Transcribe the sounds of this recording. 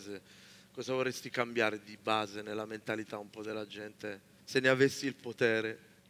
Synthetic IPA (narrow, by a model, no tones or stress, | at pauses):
ze | kɔːzavorːest̪ikambjaːɾed̪ibaːzenelːament̪alit̪aumpɔd̪elːad͡ʒɛnt̪e | senːeavesːiːlpot̪ɛːɾe